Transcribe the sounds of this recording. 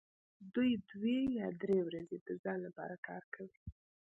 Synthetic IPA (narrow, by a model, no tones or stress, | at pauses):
d̪ujd̪wejɑd̪ɾewɾazed̪̥əzɑnlapɑ̰ɾakɑ̰ɾkʰawi